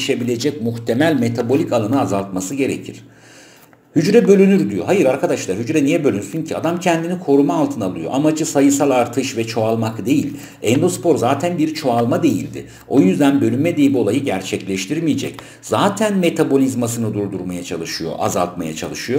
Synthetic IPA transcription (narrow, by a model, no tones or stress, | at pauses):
ʃe̞bilʲe̞d͡ʒɛc̚muxt̪ʰe̞mælʲme̞t̪ʰabo̞lʲikalˠanɯazalˠt̪masɯɟe̞ɾḛcʰiɾ̥ | hyd͡ʒɾɛbø̞lʲynyɾd̪ijo̞̰ɦajɯɾaɾkʰad̪aʃlˠaɾhyd͡ʒɾɛnijɛbølʲynyɾsyɲcʰia̰d̪amcʰɛnd̪inikʰo̞ɾumaːlˠt̪ʰɯnalˠɯjo̞̰ʔamad͡ʒɯsajɯsalˠaɾt̪ʰɯʃvɛt͡ʃʰo̞alˠmakd̪e̞jilʲ | ɛnd̪o̞spʰo̞ɾzaːt̪ʰænbiɾt͡ʃʰo̞alˠmad̪e̞jilʲd̪ɪ̰ | o̞jyzd̪ænbø̞lʲynmːɛd̪ejibo̞lˠajɯɟæɾt͡ʃʰɛclʲɛʃt̪ʰiɾmijed͡ʒɛ̰c | z̥aːt̪ʰænme̞t̪ʰabo̞lʲizmas̬ɯnɯd̪uɾd̪uɾmajat͡ʃʰa̰lˠɯʃɯjo̞̰ʔa̰zalˠt̪ma̰ja̰t͡ʃʰa̰lˠɯʃɯjo